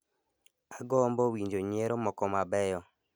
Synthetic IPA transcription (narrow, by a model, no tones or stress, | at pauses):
aɡɔmbɔwiɲd͡ʒoɲeɾomɔkɔmabɛjɔ